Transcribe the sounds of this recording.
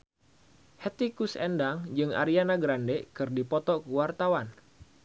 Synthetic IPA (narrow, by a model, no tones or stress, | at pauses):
hɛt̪ikusɛndaŋd͡ʒɨŋa̰ɾianaɡɾandekɨrdipɔt̪ɔkəwart̪awan